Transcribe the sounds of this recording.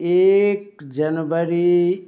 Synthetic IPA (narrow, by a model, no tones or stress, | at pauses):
ek̚d͡ʒənʋəɾi